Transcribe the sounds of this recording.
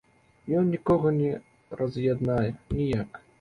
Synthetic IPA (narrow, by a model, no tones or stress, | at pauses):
jɔnnʲikɔɣɐnʲɛ | rɐzʲjad̪najɛnʲijak